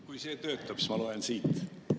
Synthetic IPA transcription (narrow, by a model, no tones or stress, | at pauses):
kujse̞ːt̪ø̞ːt̪ːˑɑpsmɑlɑensiːt̪ˑ